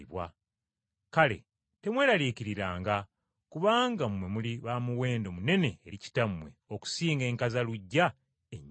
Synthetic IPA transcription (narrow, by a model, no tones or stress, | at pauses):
βwa̰ | kale̞̰ | te̞mwe̞ːɾaliːciɾiɾaːŋɡa | kuβaːŋɡamwe̞muliβamuwe̞ːndo̞mune̞ne̞ːɾici̥tamwe̞̰oku̥siːŋɡe̞ːŋkazaluɟːa | eɲː